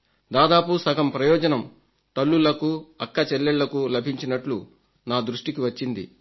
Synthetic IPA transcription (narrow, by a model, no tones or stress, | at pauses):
d̪aːd̪aːpusɐɡɐmpɾɐjɔːd͡ʒɐnɐm | t̪ɐɭːulɐkuɐkːɐt͡ʃɛlːeɭlɐkulɐbʱiɲt͡ʃinɐʈlu | naːd̪ɾuʂʈikiʋɐt͡ʃːind̪ḭ